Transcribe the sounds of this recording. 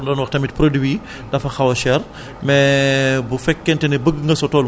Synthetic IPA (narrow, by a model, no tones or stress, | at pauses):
ndɔːnwɐxtɐmit̚pɾodwi | dɐfɐxɐwɐʃɛr | mɛbufɛkːɛntɛnɛbəɡːŋɡɐsɔtɔːl